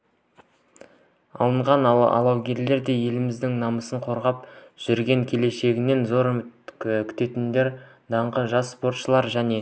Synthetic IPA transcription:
ɑ̰lˠəɴʁɑnɑ̰lˠɑwɡʲe̞ɾle̞ɾd̪e̞je̞lɪmɪzd̪ɪŋnɑməsəɴqʰo̞ɾʁɑp̚ʒ̥ʏɾɡʲe̞ŋkʲʰe̞le̞ʃe̞ɡʲɪne̞nzo̞ɾ | kʲʰʏ̥t̪e̞t̪ɪnd̪e̞ɾ | d̪ɑɴʁəʒɑsspo̞ɾt̪ʃəlˠɑɾʒæne̞

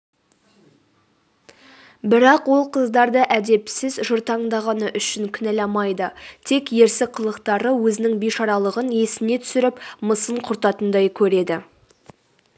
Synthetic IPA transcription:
bɪɾɑqwo̞lˠqʰəzd̪ɑɾd̪əʔæd̪e̞psɪzʒʊɾt̪ɑɴd̪ɑʁɑnəʔʏʃɪŋkʲʰʏnælɑmɑjd̪ət̪ʰe̞kje̞ɾsɪqʰəlˠəqt̪ɑɾəwɵzɪnɪŋbijʃɑɾɑlˠəʁəne̞sɪne̞t̪ʰʏ̥sɪɾɪpməsəɴqʰʊɾt̪ɑt̪ənd̪ɑjkʲʰɵɾe̞d̪ɪ

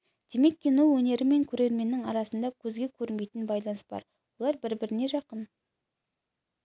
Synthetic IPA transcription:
d̪̥e̞me̞kʲːenuwwɵne̞ɾɪme̞ŋkʲʰɵɾe̞ɾme̞nːɪŋɑɾɑsənd̪ɑkʲʰɵzɡʲe̞kʲʰɵɾɪnme̞jt̪ɪnbɑjlˠɑnəsb̥ɑ̰ɾ | wo̞lˠɑɾbɪɾbɪɾɪne̞ʒɑqən

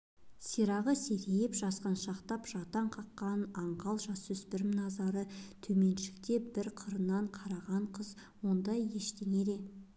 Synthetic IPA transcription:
siɾɑʁəseɾejɪpʒ̥ɑsqɑnʃɑqt̪ɑpʒɑt̪ɑɴqʰɑqːɑnɑɴqɑlˠʒɑswɵspɪɾɪmnɑzɑɾət̪ʰɵme̞nʃɪ̥kt̪e̞bɪɾqʰəɾənːɑɴqʰɑɾɑʁɑɴqʰəzwo̞nd̪ɑje̞ʃt̪e̞ŋe̞d̪e̞

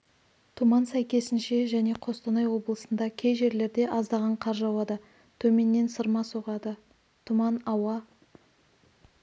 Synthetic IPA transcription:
t̪ʰumɑnsæjkʲe̞sɪnʃe̞ʒæne̞qʰo̞st̪ənɑjwo̞blˠəsənd̪ɑkʲʰe̞jʒe̞ɾle̞ɾd̪e̞ʔɑzd̪ɑʁɑɴqʰɑɾʒɑwɑd̪ə | t̪ʰɵme̞nːe̞nsəɾmɑsoʁɑd̪ə | t̪ʰumɑnɑwɑ

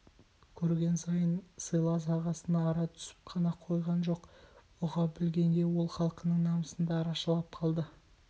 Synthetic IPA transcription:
kʲʰɵɾɡʲe̞nsɑjənsəjlˠɑs̬ɑʁɑsənɑːɾɑt̪ʰʏ̥sɪ̥p̚qʰɑnɑqʰo̞jʁɑnʒo̞qwoʁɑbɪlɡʲe̞ŋɡʲe̞wo̞lˠχɑlˠqənəɴnɑməsənd̪ɑːɾɑʃlˠɑp̚qʰɑlˠd̪ə

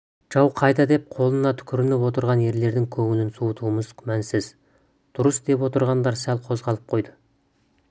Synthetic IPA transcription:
ʒ̥ɑwqʰɑjd̪ɑd̪e̞p̚qʰo̞lˠənɑt̪ʰʏ̥kʲʰɪɾɪnɪpwo̞t̪əɾʁɑnje̞ɾle̞ɾd̪ɪŋkʲʰɵŋɪlɪnsuət̪ʰuəməzkʲʰmænsɪz | d̪̥ʊɾəsd̪e̞pwo̞t̪əɾʁɑnd̪ɑɾsælˠqʰo̞zʁɑlˠəp̚qʰo̞jd̪ə

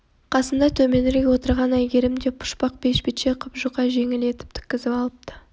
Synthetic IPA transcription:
qʰɑsəmd̪ɑt̪ʰɵme̞nɪɾɡʲewo̞t̪əɾʁɑnæjɡʲe̞ɾɪmd̪e̞pʰːʊ̥ʃpɑq̚b̥e̞ʃbit̪ʃeqʰʊpʒuqːɑʒe̞ŋɪle̞t̪ɪ̥p̚t̪ʰʏ̥kʲːɪzɪpɑlˠəp̚t̪ə̥

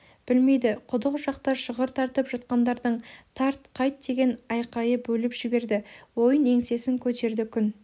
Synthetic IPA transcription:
b̥ɪlme̞jd̪ɪqʰʊd̪əqʒɑqt̪ɑʃəʁəɾt̪ʰɑɾt̪əpʒɑt̪qɑnd̪ɑɾd̪əɴt̪ʰɑɾt̪̚qʰɑjt̪̚d̪e̞ɡʲe̞nɑjqɑjəbɵlɪpʒ̥ɪbe̞ɾd̪ɪwo̞jəne̞ŋse̞sɪŋkʲʰɵt̪e̞ɾd̪ɪkʲʰʏn

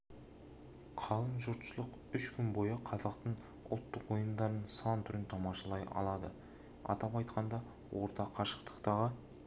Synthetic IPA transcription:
qʰɑlˠənʒʊɾt̪ʃslˠəq | ʏʃkʲʰʏnbo̞jəqʰɑzɑqt̪əɴ | ʊ̰lˠt̪ːəqwo̞jəmd̪ɑɾənsɑnt̪ʰʏɾɪnt̪ʰɑmɑʃɑlˠɑjɑ̰lˠɑd̪ə̰ | ɑ̰t̪ɑpɑjt̪qɑnd̪ɑ | wʔo̞ɾt̪ɑqʰɑʃə̥qt̪ə̥qt̪ɑʁə

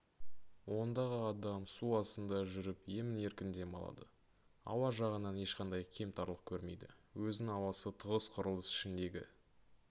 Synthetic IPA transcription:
wo̞nd̪ɑʁəɑd̪ɑmsuɑsənd̪ɑʒʏɾɪpje̞mɪne̞ɾkʲɪnd̪e̞mɑ̰lˠɑ̰d̪ə̰ | ɑ̰wɑʒɑʁənɑne̞ʃqɑnd̪ɑjkʲʰe̞mt̪ʰɑɾlˠəq̚kʲʰɵɾme̞jd̪ɪ̰wɵzɪnɪŋɑwɑsət̪ʰʊʁəsqʰʊɾəlˠəsɪ̥ʃɪnd̪e̞ɡʲɪ̰

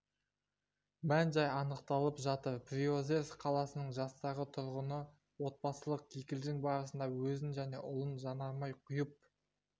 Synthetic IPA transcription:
mænʒɑjɑnəq̚t̪ɑlˠəpʒɑt̪əɾprʲio̞zeɾfqʰɑlˠɑsənəɴʒɑst̪ɑʁət̪ʰʊɾʁənə | wo̞t̪̚bɑsəlˠəq̚kʲʰekʲɪld̪ɪŋbɑɾəsənd̪ɑwɵzɪnʒæne̞ʔʊlˠənʒɑnɑɾmɑjqʰʊjəp̚

